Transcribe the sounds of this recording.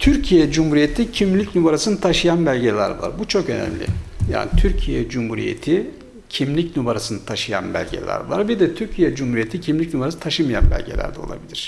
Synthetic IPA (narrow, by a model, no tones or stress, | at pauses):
t̪ʰyɾcʰijɛd͡ʒumhuɾijet̪ʰicʰimlʲicnubaɾasɯnɯt̪ʰaʃɯjanbælʲɟelʲæ̰ɾva̰ɾbut͡ʃʰokø̞nɛ̰mlʲɪ̰ja̰ːnit̪ʰyɾcʰijɛd͡ʒumhuɾḭjḛt̪ʰi | cʰimlʲicnubaɾasɯnɯt̪ʰaʃɯja̰nbæ̰lʲɟḛlʲæ̰ɾvaɾbid̪ɛt̪ʰyɾcʰijɛd͡ʒumhuɾijet̪ʰicʰimlʲicnubaɾasɯt̪ʰaʃɯmɯja̰nbæ̰lʲɟelʲæ̰ɾd̪ɛo̞lˠa̰bilʲiɾ̥